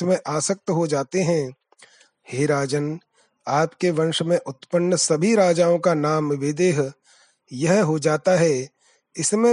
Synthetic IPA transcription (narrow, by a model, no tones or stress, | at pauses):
mẽʔaːsək̚t̪əɦod͡ʒaːt̪eɦɛ̃ | heːɾaːd͡ʒən | aːpkeʋɐ̃nʃmẽʔʊt̪pənːəsɐbʱiɾaːd͡ʒaːõkanaːmʋɪd̪eːɦ | jɐɦɦod͡ʒaːt̪aɦɛ | ɪsmẽ